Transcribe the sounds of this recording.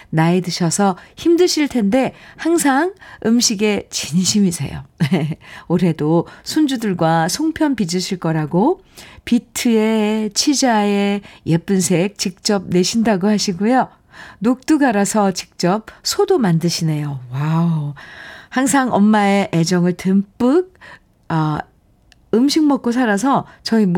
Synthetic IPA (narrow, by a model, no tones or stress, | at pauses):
naedɯɕʰʌsʰʌçimdɯɕʰiɭtʰe̞nde̞haŋs̬ʰaŋɯmɕʰiɡe̞t͡ɕiɲɕʰimisʰe̞̰jo̰neoɾɦe̞dosʰund͡ʑudɯɭɡwasʰoŋpʰjʌnpid͡ʑɯɕʰiɭk͈ʌɾaɡo | pitʰɯe̞t͡ɕʰid͡ʑae̞je̞p͈unsʰe̞k̚t͡ɕik̚t͡ɕ͈ʌp̚ne̞ɕʰindaɡohaɕʰiɡujo | nok̚t͈uɡaɾasʰʌt͡ɕi̥k̚t͡ɕ͈ʌp̚sʰodomandɯɕʰine̞jowa | haŋsʰaŋʌmːaeʔed͡ʑʌŋɯɭtɯmp͈ɯɡ̚ | ʌ | ɯmɕʰiŋ̚mʌk̚k͈osʰaɾasʰʌt͡ɕʌim